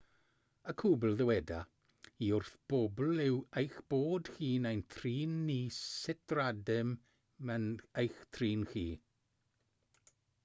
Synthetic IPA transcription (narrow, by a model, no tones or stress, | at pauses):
əkʰuːbl̩ˠðəwɛda | iʊrθb̥ɔbl̩ɪwejxb̥oːd̥xiːnajntʰriːnːisɪtradɪm | mənejxtʰriːnχiː